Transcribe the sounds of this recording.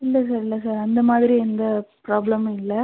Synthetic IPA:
ɪlːɐs̬aːɾɪlːɐsaːɾɐnd̪ɐmaːðɪɾiɛnd̪ɐpɾaːblɐmɪlːɐ

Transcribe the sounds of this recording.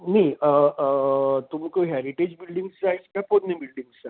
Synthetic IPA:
niə | t̪umkəɦɛɾiʈed͡ʑbilɖiŋɡst͡saiskaponːibilɖiŋɡssa

